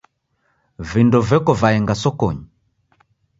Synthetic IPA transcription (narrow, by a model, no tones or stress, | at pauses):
vindɔvɛkɔvaɛŋɡasɔkɔɲi